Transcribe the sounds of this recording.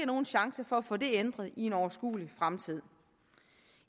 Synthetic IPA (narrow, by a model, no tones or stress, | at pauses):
əno̝ːn̩ɕɑ̈ŋsəfɒ̽æfɔ̰̽ːd̥e̝end̥ʁɐð̞̩ˠie̝nɒʊɐsɡ̥ṵːlifʁamt͡sʰið̞̰ˠ